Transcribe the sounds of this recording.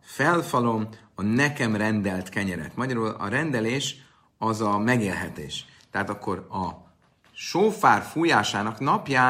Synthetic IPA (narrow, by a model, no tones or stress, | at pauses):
fɛlfɒlo̞m | ɒnɛkɛmrɛnd̪ɛlt̪kɛɲɛɾɛ̰t̪mɒɟɒɾuːlɒ̰ɾɛnd̪ɛleːʃ | ɒzɒmɛɡeːlɦɛt̪ḛːʃ | t̪ɛɦaːt̪ɒkːo̞ɾɒ | ʃoːfaːrfuːjaːʃaːnɒknɒpjaː